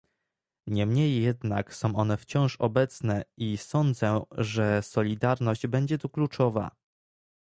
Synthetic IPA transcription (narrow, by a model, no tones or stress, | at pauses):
ɲɛmɲejːɛd̪naksɔ̃w̃ʔɔn̪ɛft͡ɕɔ̃w̃ʂɔbɛt̪snɛisɔnd̪zɛʐɛsɔlʲid̪aɾnɔʑd͡ʑbɛɲd͡ʑɛt̪uklut͡ʂɔva̰